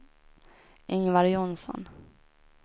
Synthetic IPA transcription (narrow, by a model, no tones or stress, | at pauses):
ɪŋvaɾjɔnsɔ̰n